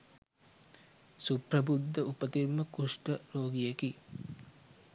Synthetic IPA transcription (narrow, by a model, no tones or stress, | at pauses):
supɾəbud̪ːəupət̪imːəkuʂʈəɾoːɡijeki